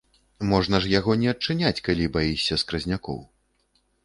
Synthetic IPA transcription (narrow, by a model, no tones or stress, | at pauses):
mɔʐnɐʐjaɣɔnʲɛɐt͡ʂːɨnʲat͡sʲkalʲibajisʲɐskɾɐzʲnʲakɔ̰w